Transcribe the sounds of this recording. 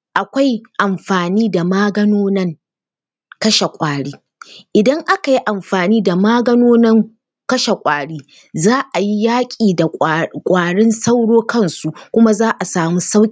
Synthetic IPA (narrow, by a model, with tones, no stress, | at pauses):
ʔa˨kʷa˦jʔa˨mɸaː˨niː˦da˨maː˦ɡɐ˦noː˦nɐ˦ŋ | kɐ˦ʃe˨kʷʼaː˨ɽiː˦ | ʔɪ˨dɐ˦ŋʔa˦ka˨ji˦ʔa˨mɸaː˨niː˦da˨maː˦ɡɐ˦noː˦nɐ˦ŋ | kɐ˦ʃe˨kʷʼaː˨ɽiː˦ | zaː˦ʔa˨ji˦jaː˦kʲʼiː˨da˨kʷʼaː˨ɽɪ˦nsa˦wɽoː˦kɐ˦˨nsu˨ʔkʷʊ˦ma˦zaː˦ʔa˨saː˨mu˦sa˦wkʲʼː